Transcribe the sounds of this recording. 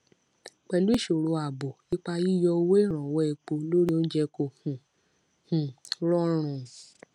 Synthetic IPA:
k͡pɛ˨lu˦i˦˨ʃo˨ɾo˧a˨bo˨i˦k͡pa˧ji˦˨jɔ˧wo˦e˦˨ɾ̃ɔ̃˨wɔ˦ɛ˧k͡po˧lo˦ɾi˦õ˦d͡ʒɛ˧ko˧˨hũ˨ | hũ˨ɾɔ˦ɾ̃ũ˨

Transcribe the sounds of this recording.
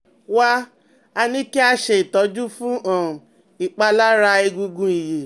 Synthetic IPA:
wa˦ | a˧nĩ˦ki˦a˦ʃe˧˨i˨tɔ˨˦d͡ʒu˦fũ˦ʔã˨ | i˨k͡pa˧la˦ɾa˧i˧ɡũ˧ɡũ˧i˨je˨

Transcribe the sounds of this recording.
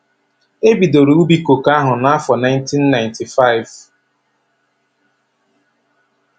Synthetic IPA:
e˦bi˨do˨ɾu˦u˦bi˦ko˨ka˦ɦʊ˨na˦fɔ˨na˦jntʰi˦nːa˨ɪ̃ntʰi˨fa˦˨ɪ˨v

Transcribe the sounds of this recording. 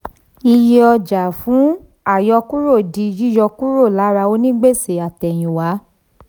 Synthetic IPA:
i˧je˧ɔ˧d͡ʒa˨fũ˨˦ | a˦˨jɔ˧ku˦ɾo˦˨di˧d͡ʒi˦jɔ˧ku˦ɾo˦˨la˨˦ɾa˧o˧˦nĩ˦ɡ͡be˦˨se˨a˨tɛ˨j̃ĩ˨wa˨˦

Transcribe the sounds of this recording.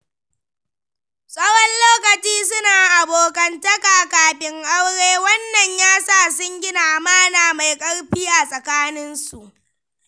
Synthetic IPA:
sʼɐ˦wɔ˦nloː˦kɐ˨t͡ʃiː˦sʊ˦naː˨ʔa˨boː˨kɐ˨ntɐ˦kaː˨kaː˨ɸɪ˦ŋʔa˦wɽeː˦wɐ˦nːɐ˨ɲjaː˦sa˦˨sʊ˦ŋɡʲɪ˦naː˨maː˦naː˨ma˨jkʼɐ˦ɽɸɪ˦jaː˨sʼɐ˨kaː˦nɪ˦nsu˨ʔ

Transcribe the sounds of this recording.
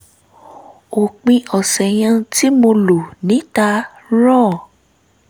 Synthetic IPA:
o˨k͡pĩ˧ɔ˨sɛ˨j̃ã˧ti˦mo˧lo˨nĩ˨˦ta˧ | ɾɔ˦˨

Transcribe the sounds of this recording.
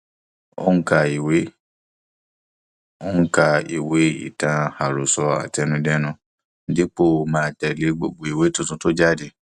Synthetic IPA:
o̰˦ŋ̩˦ka˧i˨we˨˦ | o˦ŋ̩˦ka˧ḭ˨we˨˦ḭ˦˨tã˧ha˨ɾo˨sɔ˧a̰˨tɛ˧nũ˧dɛ˦nũ˧ | n̩˦di˦k͡po˦˨mãː˦˧˨tɛ˨le˨˦ɡ͡bo̰˨ɡ͡bo˨i˨we˨˦tũ˧tũ˧to˦d͡ʒa˦˨de˨

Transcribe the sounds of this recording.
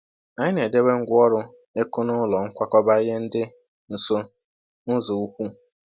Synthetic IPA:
a˨ɲɪ˦ne˨de˦we˦ŋ̩˦ɡʷɔ˦ɾʊ˦ | e˦kʊ˦nʊ˦lɔ˨ŋ̩˦kʷa˦kɔ˦ba˦ɣe˦n̩˦dɪ˦ | n̩˨so˦ | nʊ˦zʊ˨u˦kʷu˦

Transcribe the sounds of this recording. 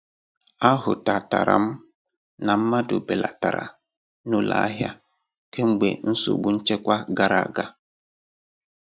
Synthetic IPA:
a˦ɦʊ˨ta˨ta̰˨ɾa̰˨m̩˦ | na˨m̩˦ma˦do˨be˨la˨ta˨ɾa̰˨ | no˦la̰˨˦ɦja˦ | ke˦ŋ͡m̩˦ɡ͡be˨n̩˦so̰˨ɡ͡bu˦n̩˦t͡ʃe˦kʷa˦ɡa˦ɾa˨ɡa˦

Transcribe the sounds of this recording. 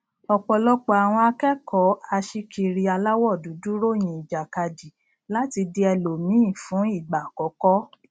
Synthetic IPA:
ɔ˨k͡pɔ˨lɔ˦k͡pɔ˧a˨w̃ɔ̃˧a˧kɛ˦kʰɔ˨˦a˧ʃi˦ki˧ɾi˧a˧la˦wɔ˦˨du˨˦du˦ɾo˦˨j̃ĩ˧˨i˨d͡ʒa˨ka˧d͡ʒi˨ | la˦ti˧di˧ɛ˧lo˨mĩ˨˦ĩ˦˨fũ˨˦i˦˨ɡ͡ba˨kɔ˨˦kɔ˦

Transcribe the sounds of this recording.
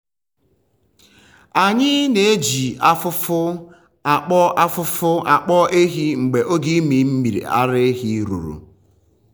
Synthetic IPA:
a˨ɲɪ˦ne˨e˦d͡ʒi˨a˦fʊ˦fʊ˦ | a˨k͡pɔ˦ʔa˦fʊ˦fʊ˦a˨k͡pɔ˦e˦ɦi˦ŋ͡m̩˨ɡ͡be˨ʔo˦ɡi˦mi˨m̩˦mi˨ɾḭ˨a̰˦ɾɪ˦ɦi˦ɾṵ˨ɾṵ˨

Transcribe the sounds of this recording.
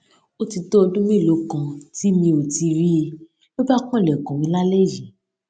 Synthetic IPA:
o˦ti˧to˦o˧dũ˦mĩ˦˨lo˨˦kã˨ti˨˦mĩ˧o˨ti˧ɾi˦e˧ | lo˦ba˦kɔ̃˦i˦˨lɛ˨kã˨mĩ˧˦la˦le˦˨jĩ˨

